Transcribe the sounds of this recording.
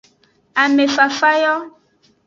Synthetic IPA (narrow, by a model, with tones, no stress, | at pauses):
a˨me˨fa˨fa˦jɔ˦